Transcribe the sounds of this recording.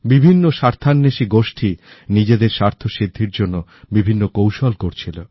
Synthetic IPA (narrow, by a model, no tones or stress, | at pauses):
bibʱinːoʃaɾt̪ʰanːeʃiɡoʃʈʰi | nid͡ʑed̪eɾʃaɾt̪ʰoʃid̪ʱːiɾd͡ʑonːobibʱinːokowʃolkoɾt͡ɕʰilo